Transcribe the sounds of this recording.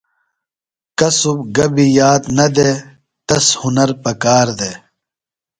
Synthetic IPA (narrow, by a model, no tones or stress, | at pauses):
kɐsubɡɐbijaːt̪nɐd̪e | t̪ɐshunɐɾpɐkaːɾd̪eː